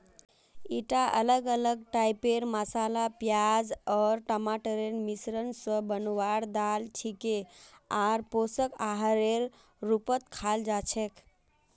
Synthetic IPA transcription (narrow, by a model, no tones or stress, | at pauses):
iʈaʔə̰ləɡələɡ̚ʈajpeɾməsalapjad͡ʒɔɾʈəmaʈəɾenmisɾənsəbənwaɽd̪alt͡ʃʰikeaɾposəkaɦɾeɾ | ɾupət̪kʰald͡ʒat͡ʃʰek